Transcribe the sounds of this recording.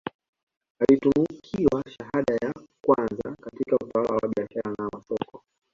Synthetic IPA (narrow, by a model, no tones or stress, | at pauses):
alitumukʰiwaʃaɦaɗajakwanza̰katikautawalawaɓiaʃaɾanamasɔkɔ